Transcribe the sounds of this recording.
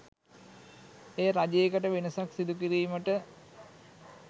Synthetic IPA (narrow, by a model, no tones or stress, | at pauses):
ejəɾad͡ʒeːkəʈəʋenəsaksid̪ukiɾiːməʈə